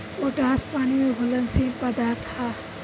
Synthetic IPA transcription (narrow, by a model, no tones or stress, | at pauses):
oʈãːspaːnimebʱʊlənsĩpəd̪aːɾt̪ʰaː